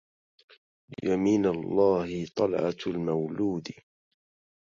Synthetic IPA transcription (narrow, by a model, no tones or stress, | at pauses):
jamiːnalˤːɑːhɪt̪ˤɑlʕɑ̰lmawluːd̪